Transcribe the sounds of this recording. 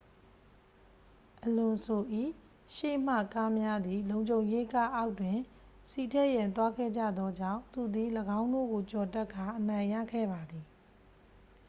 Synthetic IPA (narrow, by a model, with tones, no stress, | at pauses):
ʔəlʊ̃˨so˨ʔḭ˦˨ | ʃḛ˦˨m̥ä̰˦˨ka˦mja˦d̪ði˨lõ˨ʊ̃ɲd͡ʑõ˨ʊ̃je˦ka˦ʔa˦ʊtwɪ̃˨ | si˦˨tʰɛ˦˨jã˨nt̪̬wa˦ɡɛ̰˦˨d͡ʑä̰˦˨d̪ðɔ˦d͡ʑã̰˦˨ʊ̃nt̪u˨d̪i˨ləɡã˦ʊ̃ndo̰˦˨ɡo˨t͡ɕɔ˨tɛ˦ʔkʰːa˨ʔənã˨ɪ̃jä̰˦˨ɡɛ̰˦˨ba˨d̪i˨